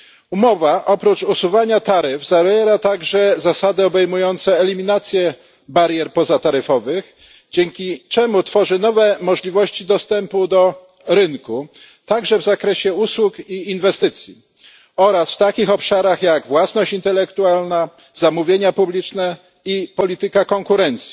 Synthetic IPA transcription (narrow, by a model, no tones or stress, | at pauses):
umɔvaʔɔpɾut͡ʂusuvaɲat̪aɾɘvzavjɛɾat̪aɡʐɛzasad̪ɘɔbɛjmujɔnt̪sɛːlʲimʲinat̪sʲjɛ | baɾʲjɛɾpɔzat̪aɾɘfɔvɘx | d͡ʑɛŋkʲit͡ʂɛmut̪fɔʐɘnɔvɛmɔʐlʲivɔɕt͡ɕid̪ɔst̪ɛmpud̪ɔ | ɾɘnku | t̪aɡʐɛvzakɾɛɕɛuswukiːnvɛst̪ɘt̪sʲji | ɔɾasft̪akʲixɔpʂaɾaxjaɡvwasnɔɕt͡ɕint̪ɛlɛkt̪ualna | zamuvʲjeɲapublʲit͡ʂnɛ | ipɔlʲit̪ɘkakɔŋkuɾɛnt̪sʲji̥